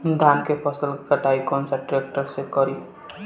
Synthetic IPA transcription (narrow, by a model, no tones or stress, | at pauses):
d̪ʱankepʰʌsəlkəʈaikɔnsaʈɾek̚ʈəɾsekʌɾi